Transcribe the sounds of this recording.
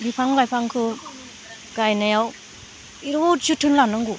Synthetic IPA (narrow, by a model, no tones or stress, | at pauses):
bipʰaŋlajpʰaŋkʰɯ | ɡ̥ajnajaw | iɾot̚sɯtʰɯnlanɯŋɡu